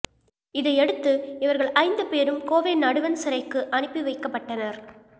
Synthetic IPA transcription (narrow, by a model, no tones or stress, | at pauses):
ɪðɐɪɛɽɯt̪ːɯɪʋɐɾɣɐɭʔɐɪnd̪ɯpeːɾɯmkoːʋeːnɐɽɯʋɐnsɪɾɐɪkːɯʔɐnɯpːiʋɐɪkːɐpːɐʈːɐnɐɾ